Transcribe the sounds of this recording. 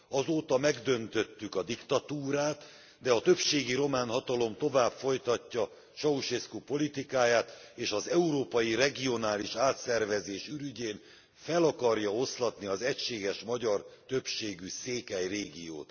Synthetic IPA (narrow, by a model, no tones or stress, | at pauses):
ɒzoːt̪ɒmɛɡd̪ø̞nt̪ø̞t̪ːykɒd̪ikt̪ɒt̪uːɾaːt̪ | d̪ɛɒt̪ø̞pʃeːɡiɾo̞maːnɦɒt̪ɒlo̞mt̪o̞vaːbfo̞jt̪ɒcːɒ | ʃɒuʃeskupo̞lit̪ikaːjaːt̪eːʃɒzɛuɾoːpɒjirɛɡio̞naːliʃaːt̪sɛrvɛzeːʃyɾyɟeːn | fɛlɒkɒrjɒo̞slɒt̪niɒzɛcʃeːɡɛʃmɒɟɒrt̪ø̞pʃeːɡyseːkɛjreːɡio̰ːt̪